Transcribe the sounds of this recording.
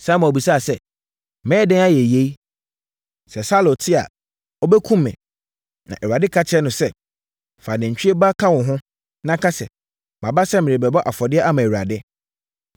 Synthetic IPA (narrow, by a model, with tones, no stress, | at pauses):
sa˦mã˨bi˨sa˦˨sɛ˦ | mɛ̃ː˦dɛ̃˦na˦jɛ˨je˦i˦ | sɛ˨sa˦lo˨tʰɪ˦a̰˨ | ɔ˦bɛ˦kʰũ˦mːɛ̰̃˨ | nã̰˨ʔɛ˨ɥa˨dɪ˦kʰa˦t͡ɕʰɛ˦nʊ̃˨sɛ˦ | fa˨nɪ̃˨ɲ̩˨t͡ɕᶣi˦e˦ba˦kʰã˦wʊ̃˨ɦʊ̃˦ | nã˦kʰa˦sɛ˨ | bã˨ba˦sɛ˦mɪ̃˨ɪ̃˨bɛ˨bɔ˦ʔa˨fɔ˨dɪ˦ɛ˦ʔa˦mã˨u˨a˨dɪ˦